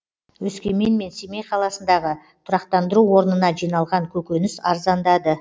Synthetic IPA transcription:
wɵskʲe̞me̞nme̞nsemejqʰɑlˠɑsənd̪ɑʁə | t̪ʰʊɾɑqt̪ɑnd̪əɾuwo̞ɾənənɑʒijnɑlˠʁɑŋkʲʰɵkʲenɪsɑ̰ɾzɑnd̪ɑd̪ə

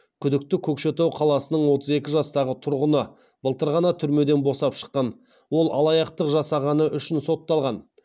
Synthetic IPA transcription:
kʲʰʏd̪ɪk̚t̪ɪkʲʰɵkʃe̞t̪owqʰɑlˠɑsənəɴwo̞t̪əze̞kʲɪʒɑst̪ɑʁət̪ʰʊɾʁənə | b̥əlˠt̪əɾʁɑnɑt̪ʰʏɾme̞d̪e̞nbo̞sɑpʃə̥qːɑn | wo̞lˠɑ̰lˠɑjɑqt̪əqʒɑsɑʁɑnəʔʏʃɪnso̞t̪ːɑlˠʁɑn

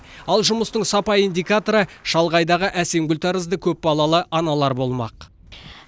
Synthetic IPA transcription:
ɑlˠʒʊməst̪əɴsɑpɑjind̪ʲijkat̪o̞ɾəʃɑlˠʁɑjd̪ɑʁəʔæse̞mɡʲʊlʲt̪ɑɾəzd̪əkʲʰɵp̚bɑlˠɑlˠəʔɑnɑlˠɑɾbo̞lˠmɑ̰q

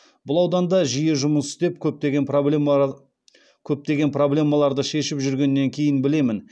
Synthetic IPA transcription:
bʊlˠɑwd̪ɑnd̪ɑʒijeʒʊməsd̪e̞pkʲʰɵp̚t̪e̞ɡʲenpo | kʲʰɵp̚t̪e̞ɡʲe̞npro̞blʲe̞mːɑlˠɑɾd̪əʃe̞ʃɪpʒʏɾɡʲe̞nːe̞ŋkʲʰe̞jɪnbɪle̞mɪn

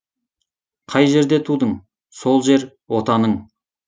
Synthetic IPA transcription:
qʰɑjʒe̞ɾd̪e̞t̪ʰud̪əɴ | so̞lˠʒe̞ɾ | wo̞t̪ɑnəɴ

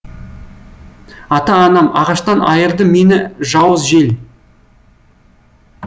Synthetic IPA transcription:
ɑt̪ɑːnɑmɑʁɑʃt̪ɑnɑjəɾd̪əme̞nɪʒɑwəzʒel

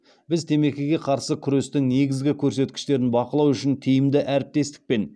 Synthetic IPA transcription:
bɪzt̪ʰe̞me̞kʲeɡʲe̞qʰɑɾsəkʲʰʏɾe̞st̪ɪŋne̞ɡʲɪzɡʲɪkʲʰɵɾse̞t̪kʲɪ̥ʃt̪e̞ɾɪnbɑqəlˠɑwʏʃɪnt̪ʰijɪmd̪ɪʔæɾɪp̚t̪e̞st̪ɪ̥k̚pe̞n

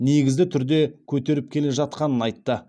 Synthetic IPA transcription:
ne̞ɡʲɪzɡʲɪt̪ʰʏɾd̪e̞kʲʰɵt̪e̞ɾɪp̚kʲʰe̞le̞ʒɑt̪̚qɑnənɑjt̪ːə

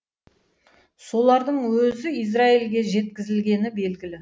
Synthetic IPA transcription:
so̞lˠɑɾd̪əɴwɵzɪijz̬railɡʲe̞ʒe̞t̪̚kʲɪzɪlɡʲe̞nɪbe̞lɡʲɪlɪ

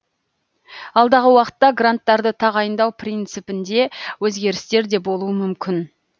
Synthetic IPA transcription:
ɑlˠd̪ɑʁəwɑqə̥t̪ːɑɡrant̪ːɑɾd̪ət̪ʰɑʁɑjənd̪ɑwpʰrʲijnt̪sɨpɪnd̪e̞wɵzɡʲe̞ɾɪst̪e̞ɾd̪e̞bo̞lˠuəmʏmkʲɪn

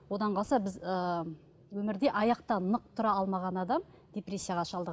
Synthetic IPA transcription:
wo̞d̪ɑɴqʰɑsɑbɪzə | wɵmɪɾd̪e̞ʔɑjɑq̚t̪ɑnəq̚t̪ʰʊɾɑɑlˠmɑʁɑnɑd̪ɑm | d̪ʲepre̞sʲːijaʁɑʃɑlˠd̪əʁ

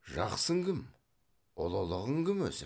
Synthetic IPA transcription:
ʒɑqsəŋɡʲɪm | olˠolˠəʁəŋɡʲɪmwɵ̰sɪ

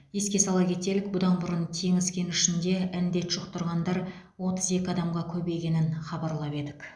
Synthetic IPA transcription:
je̞skʲe̞sɑlˠɑkʲʰe̞t̪e̞lɪk̚bʊd̪ɑnbʊɾənt̪ʰe̞ŋɪzɡʲe̞nɪʃɪnd̪e̞ænd̪e̞t̪ʒ̥ʊqt̪ʰʊɾʁɑnd̪ɑɾ | wo̞t̪əze̞kʲɪɑd̪ɑmʁɑkʲʰɵbe̞jɡʲe̞nɪnχɑbɑɾlˠɑpe̞d̪ɪk

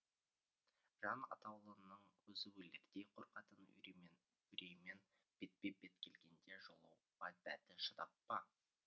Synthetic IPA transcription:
ʒ̥ɑnɑ̰t̪ɑwlˠənəɴwɵzɪweleɾd̪e̞jqʰoɾqɑt̪ən̰ | ʏɾejme̞n | b̥et̪̚b̥e̞be̞t̪kʲʰe̞lɡʲe̞nd̪e̞ʒolˠə̰w | bɑd̪̚bæt̪ɪʃət̪ɑpːɑ

